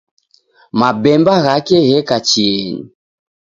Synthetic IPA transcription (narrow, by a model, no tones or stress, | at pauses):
mabɛmbaɣakɛɣɛkat͡ʃiɛɲḭ